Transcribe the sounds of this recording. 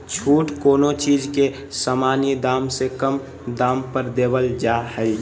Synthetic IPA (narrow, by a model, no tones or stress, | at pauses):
t͡ʃʰuːʈkoːnot͡ʃiːd͡ʒke | samanid̪aːmsekəm | d̪aːmpəɾd̪eːbəld͡ʒahəi